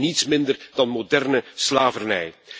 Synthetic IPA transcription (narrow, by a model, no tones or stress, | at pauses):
nitsmɪndərd̥ɑnmodɛrnəslaːvərnɛj